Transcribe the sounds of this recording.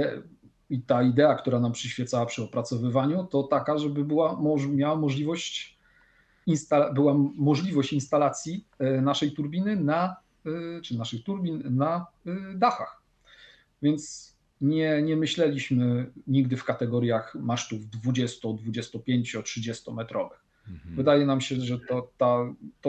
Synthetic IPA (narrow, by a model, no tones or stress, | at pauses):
it̪aid̪ɛak̚t̪uɾanampʂɘɕfʲjɛt̪sawapʂɘɔpɾat̪sɔvɘvaɲut̪ɔt̪akaʐɛbɘbɘwamɔmʲjawamɔʐlʲivɔɕt͡ɕ | inst̪abɘwamɔʐlʲivɔɕt͡ɕinst̪alat̪sʲji | naʂɛjt̪uɾbʲinɘna | t͡ʂɨnaʂɘxt̪uɾbʲinnad̪axax | vʲjɛnt̪s | ɲɛɲɛmɘɕlɛlʲiɕmɘɲiɡ̚d̪ɘfkat̪ɛɡɔɾjaxmaʂt̪uvd̪vud͡ʑɛst̪ɔd̪vud͡ʑɛst̪ɔpʲjeɲt͡ɕɔtʂɘd͡ʑɛst̪ɔmɛt̪ɾɔvɘx | vɘd̪ajɛnamɕɛʐɛt̪ɔt̪at̪ɔ